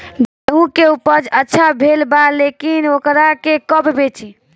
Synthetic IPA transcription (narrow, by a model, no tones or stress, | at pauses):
d͡ʒeɦũkeupəd͡ʒətːʃʰabʱelbalekinokɾakekəbʱbet͡ʃi